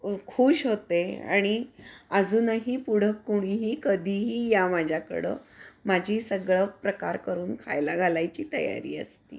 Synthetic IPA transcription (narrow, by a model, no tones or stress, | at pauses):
kʰuːɕɦot̪ea̰ɽ̃iəd͡zʱuːnaɦiːpuɽ̤əkːuɽ̃iɦiːkəd̪ʱiɦiːjamad͡ʑʱjakə̰ɽə̰ːmad͡ʑʱiːsəɡɭəpɾəkaɾkəɾuːnkʰa̰jlaɡʱalajt͡ɕiːt̪ə̰ja̰ɾḭːə̰st̪ḭː